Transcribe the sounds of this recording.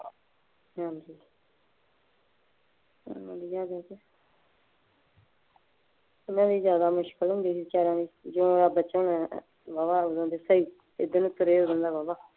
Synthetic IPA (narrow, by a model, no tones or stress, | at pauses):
ɦãːd͡ʒiː | mɛ̃ːd̪iːzjaːd̪aːd͡ʒe | t̪ːmɛ̃ːd̪iːzjaːd̪aːmʊʃkəlɦʊ̃nd̪iːsit͡ʃaːɾãːd̪iːd͡ʒõːaːbəːt͡ʃə̃ːn | baːbaːod̪ə̃nd̪eːsəiː | ɪd̪ənũt̪ʊɾeːoːd̪ənd̪aːbaːbaː